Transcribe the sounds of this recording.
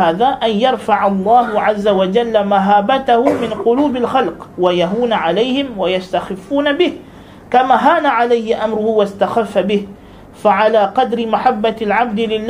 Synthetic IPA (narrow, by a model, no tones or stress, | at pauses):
aːðaːʔanjɑɾˤfaʕalˤːɑːɦʊʕazːawad͡ʒalːamaɦaːbat̪ahʊmɪnqʊluːbalxɑlqwajaɦuːnaʕalajhɪmwajast̪axɪfːuːnabɪh | kamaɦaːnaʕalajhɪʔamɾʊhʊwast̪axafːabɪh | faʕalaːqɑd̪ɾɪmaħabːalʕab̚d̪ɪlɪlː